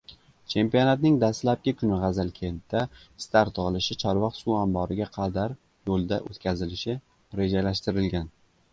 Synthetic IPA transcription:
t͡ʃʰe̞mpijonat̪nɪŋd̪ast̪lap̚kʲɪkʲʰʊnɪʁɑzalkʲʰe̞nt̪ʰːa | st̪ʰaɾt̪ʰːʊʁɨlɪʃɪt͡ʃʰɒɾvɒqsuambɒɾɪɡʲaqʰɑd̪aɾ | jolˠd̪aʔot̪kʲʰazɪlɪʃɪ | ɾe̞d͡ʒalaʃt̪ɪɾɪlɡʲan

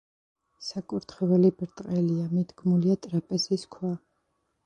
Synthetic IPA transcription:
sakʼuɾt̪ʰχɛvɛlibɾt̪ʼqʼɛliamid̪ɡmuliat̪ʼɾapʼɛsiskʰwa

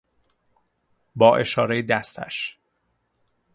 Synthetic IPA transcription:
bɒːʔe̞ʃɒːɾejed̪æst̪ʰæ̰ʃ

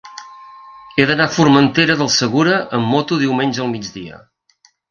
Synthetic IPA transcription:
eðənafurmənt̪eɾəðəlˠsəɣuɾəʔəmːɔt̪uðiwmenʲʒəːlˠmid͡ʒd͡zðiə̰

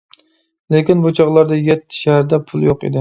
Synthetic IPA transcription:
lekʲinbut͡ʃʰɑʁlˠɑɾd̪ɛjɛt̪ʰːɪ̥ʃæhæɾd̪ɛpʰulˠjoqḛd̪ɪ

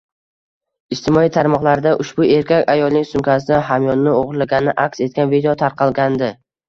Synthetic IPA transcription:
ɪʃt̪ɪmɒit̪ʰaɾmɒqlˠaɾd̪aʔʊʃbʊe̞ɾkʲakʲajɒlˠnɪŋsʊŋkʲʰas̬ɪd̪aɦamjɒnːɪoʁɾlaɡʲanɪɪʔakʲse̞t̪̚kʲanvid̪ejot̪ʰaɾqʰɑlˠɡʲand̪ɪ

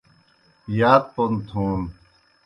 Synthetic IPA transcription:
jaːt̪̚pont̪ʰuːn

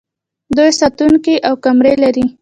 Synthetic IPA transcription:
d̪ojsat̪uŋkiʔawkamɾelaɾi

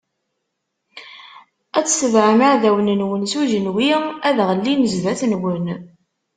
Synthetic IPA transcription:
æt͡sːsəvʕamaʕðæwənənwənsuʒənwiæðʁəlːinəzvæθnwən

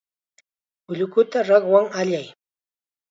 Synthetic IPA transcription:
ʊʎʊkʊt̪aɾɑχwaŋaʎaj

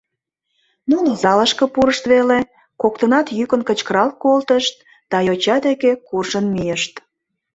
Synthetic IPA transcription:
nunozɑləʃkə̆puɾəʃt̪βele | kok̚t̪ənɑt̪jykənkət͡ɕkəɾɑlkolt̪əʃt̪̚ | d̪̥ɑjot͡ɕɑd̪ekekurʒənmijəʃt̪

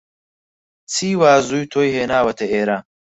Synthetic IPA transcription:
t͡sʰiːwaːzuːjt̪ʰojɦeːnaːwɐt̪ʰeeːɾa

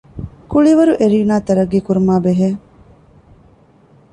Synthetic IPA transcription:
kuɭiʋɐɾuʔeɾiːnaːt̪ɐɾɐɡːiːkuɾumaːbeɦeː

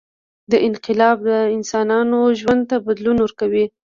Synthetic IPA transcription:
d̪əʔɪnqɪlɑb̚d̪əɪnsɑnɑnoʒwand̪̚t̪abad̪lunwəɾkawi

